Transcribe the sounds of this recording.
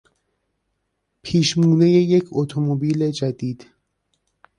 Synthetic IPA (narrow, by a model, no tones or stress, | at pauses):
pʰiːʃmuːne̞je̞je̞cʰot̪ʰomobiːle̞d͡ʒæd̪iːd̪̥